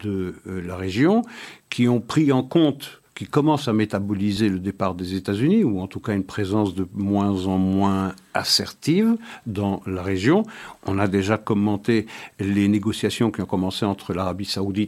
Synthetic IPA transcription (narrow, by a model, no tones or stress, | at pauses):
d̪əlaʁeʒjɔ̃kʲʰiɔ̃pχiɑ̃kɔ̃t̪kʲikɔmɑ̃samet̪abɔlizeləd̪epaʁd̪ezet̪azyniuɑ̃t̪ukaynpχezɑ̃sd̪əmwɛ̃zɑ̃mwɛ̃asɛʁt̪ivd̪ɑ̃laʁeʒjɔ̃ɔ̃nad̪eʒakɔmɑ̃t̪eleneɡɔsjasjɔ̃kʲiɔ̃kɔmɑ̃seɑ̃t̪χəlaʁabisaud̪it̪